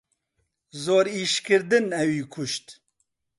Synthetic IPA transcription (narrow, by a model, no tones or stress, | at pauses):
zoːɾiːʃkɨɾd̪ɨnɛwiːkʰʊʃt̪